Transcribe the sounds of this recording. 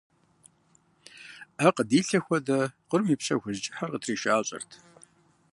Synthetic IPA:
aqədiːɬɐxʷɔdɐqərmiːpɕɐ̰xʷʊzt͡ʃʼɪħarqətʰriːʃaːɕʼɐ̰rtʰ

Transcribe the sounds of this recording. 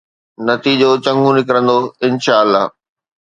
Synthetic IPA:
nɐt̪iːd͡ʑot͡ɕɐ̃ŋɡʱũnɪkɾə̃nd̪oɪnʃaːəlːa̰ː

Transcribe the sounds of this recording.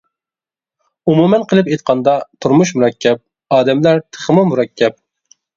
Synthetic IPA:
umumɛnqʰəlˠɨpet̪̚qʰɑnd̪ɑt̪ʰuɾmuʃ̬muɾɛkʲʰːɛp̚ | ɑːd̪ɛmlæɾt̪ʰə̥χmumuɾɛkʲʰːɛp̚

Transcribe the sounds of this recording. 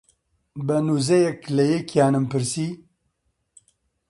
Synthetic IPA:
bənuzɛjɛklɛjekʰjaːnɨmpʰɨɾsiː

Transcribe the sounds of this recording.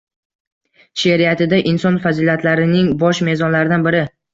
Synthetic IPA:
ʃeɾijat̪ʰɪd̪aʔɪnsɒnfazilat̪ʰlaɾɪnɪŋbɒʃme̞zɒnlaɾɪd̪anbɪɾɪ

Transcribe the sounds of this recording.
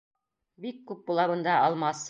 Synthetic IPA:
bikːʉp̚bulˠɑβɤ̆nd̪ɑɑlˠmɑs

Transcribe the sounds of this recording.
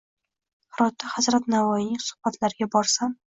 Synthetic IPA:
hɾɒt̪ʰːahazɾat̪navɒjɪnɪŋsʊ̥hb̥at̪ʰlaɾɪɡʲabɒɾsam

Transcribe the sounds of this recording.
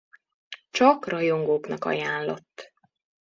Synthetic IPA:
t͡ʃɒkrɒjoŋɡoːknɒkɒ̰jaːnlo̞t̪ː

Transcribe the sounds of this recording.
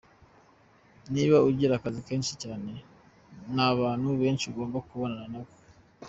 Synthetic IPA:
niβauɾɟiɾakazike̞ːnʃicaːne̞ | naβaːnhuβe̞ːnʃiuɡo̞ːmbakuβo̞nananaβo

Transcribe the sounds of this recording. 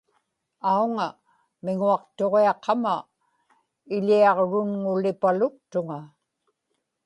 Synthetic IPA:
auŋa | mɪŋuɑqt̪o̞ʁeɑqʰːɑma | ɪʎiɑʁɻʊnŋʊlɪpalʊk̚t̪ʊŋa

